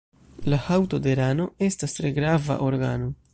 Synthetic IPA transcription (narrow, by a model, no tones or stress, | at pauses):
lahawto̞deɾano̞e̞stastɾe̞ɡɾava̰ʔo̞ɾɡano̞